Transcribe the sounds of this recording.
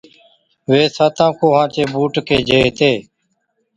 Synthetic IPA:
ʋeːsaːt̪ãːkoːɦãːt͡ʃeːbuːʈkeːd͡ʒeːt̪eː

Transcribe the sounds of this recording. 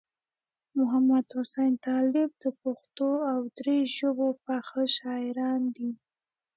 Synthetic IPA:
mʊɦamad̪hʊsajnt̪ɑlɪb̚d̪əpoxt̪oawd̪ɾeʒobopaxəʃɑɪɾɑnd̪i

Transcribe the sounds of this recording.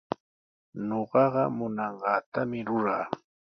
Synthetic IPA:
noɢɑɢɑmʊnɑɴɢɑːt̪amɪɾʊɾaː

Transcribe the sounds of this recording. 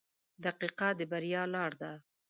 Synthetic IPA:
d̪aqiqad̪əbaɾijɑlɑɽd̪a

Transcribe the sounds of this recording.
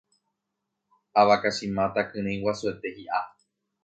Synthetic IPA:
aʋakaʃĩmãt̪akɨ̃ɾ̃ẽj̃wasuet̪e̞hiʔa

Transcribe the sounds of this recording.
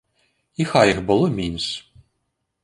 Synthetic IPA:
ixajixbɨlˠɔmʲinus

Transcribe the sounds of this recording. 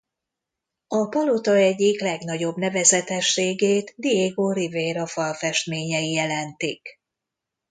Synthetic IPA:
ɒpɒlot̪ɒɛɟːiklɛɡn̪ɒɟo̞bnɛvɛzɛt̪ɛʃːeːɡeːt̪d̪ieɡoːriveːɾɒfɒlfɛʃt̪meːɲɛijɛlɛnt̪ik

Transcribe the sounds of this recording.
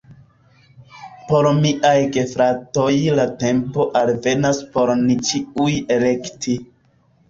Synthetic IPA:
po̞ɾmiʔajɡe̞fɾato̞jlate̞mpo̞ʔalve̞naspo̞ɾnit͡ʃiuje̞le̞kti

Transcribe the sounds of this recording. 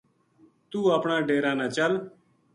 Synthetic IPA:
t̪uːəːpɳaːɖeːɾãːnãːt͡ʃəl

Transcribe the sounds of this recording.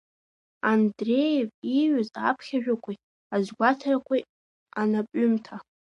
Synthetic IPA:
andrejeviʕʊzapʰχʲaʒᶣakʷʰi | azɡʷatʰarakʷʰoj | anapʼʊmtʰa

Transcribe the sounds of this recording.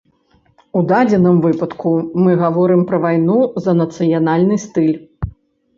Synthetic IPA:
ud̪ad͡zʲɛnɨmvɨpɐt̪kʰumɨɣavɔɾɨmpɾɐvajnuzɐnɐt̪sɨjanalʲnɨst̪ɨlʲ

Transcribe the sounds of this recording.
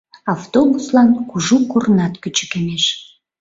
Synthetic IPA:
ɑft̪obuslɑnkuʒukornɑt̪kyt͡ɕkeneʃ

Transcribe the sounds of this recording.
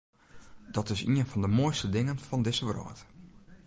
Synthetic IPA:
d̥ɔtɪsḭənfɔndəmoəjstədɪŋənfɔndɪsəʋrɔ̰ːt

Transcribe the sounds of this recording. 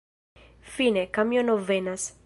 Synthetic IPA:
finekamjonovenas

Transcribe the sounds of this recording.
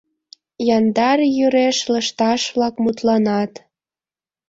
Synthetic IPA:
jɑnd̪ɑɾjyɾeʃləʃt̪ɑʃβlɑkmut̪lɑnɑt̪

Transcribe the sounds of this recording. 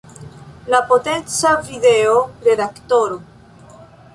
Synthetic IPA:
lapot̪ent͡saviðeoreðakt̪oɾo

